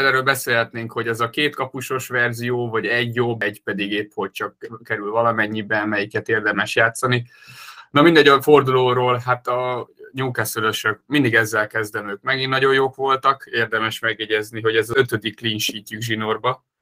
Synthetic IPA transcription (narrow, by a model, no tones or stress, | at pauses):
lɛːɾøːlbɛseːlɦɛt̪neːŋkho̞ɟɛzɒkeːt̪kɒpuʃo̞ʃʋɛrzijoːvɒɟɛɟjoːbɛɟpɛd̪iɡeːpho̞c̚t͡ʃɒkːɛɾylvɒlɒmɛɲːibɛmɛjikɛt̪eːrd̪ɛmɛʃjaːt̪sɒninɒmind̪ɛɟɒford̪uloːɾoːlɦat̪ɒɲuŋkasøløʃøk̚mind̪iɡɛzːɛlkɛzd̪ɛmøːk̚mɛɡinːɒɟo̞jjoːkʋo̞lt̪ɒkeːrd̪ɛmɛʃmɛɡjɛɟɛzniɦo̞ɟɛzøt̪ød̪ikːliːnʃiːcːyɡʒinorbɒ